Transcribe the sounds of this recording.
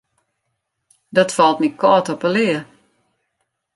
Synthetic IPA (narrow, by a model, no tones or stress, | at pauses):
dɔtfɔlˠtnit̚kʰɔːtɔpəlɪə